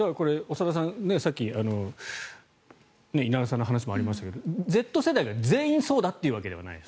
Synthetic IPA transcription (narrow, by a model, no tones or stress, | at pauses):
d̪ako̞ɾe̞osaɾas̬ãnne̞sakʲːiano̞ | ne̞inaɾasãnːɦanaɕ̬imoaɾʲimaɕi̥t̪ake̞d̪o̞d͡ze̞t̪ːo̞se̞d̪aiɡad͡ze̞ːĩɰ̃so̞ːd̪at̪ːe̞iɯ̟βake̞d̪e̞a̰na̰ies